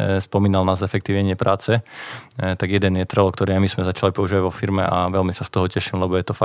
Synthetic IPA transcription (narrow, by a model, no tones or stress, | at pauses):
spɔmiːnalnaːzɛfɛkt̪iːʋɲɛɲɪɛpɾʔaːt͡sɛ | t̪aɡjɛd̪ɛnjɛt̪ɾɛlɔkt̪ɔɾiajmismɛzat͡ʃalipɔuʒiːʋaɟʋɔfiɾmɛ̰ʔaʋɛlmisast̪ɔɦɔcɛʃimlɛbɔjɛt̪ɔfa